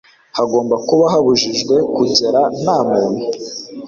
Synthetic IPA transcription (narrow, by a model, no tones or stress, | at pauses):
haɡo̞ːmbakuβaɦaβuʒiʒɡwe̞kuɟe̞ɾanaːmuːwi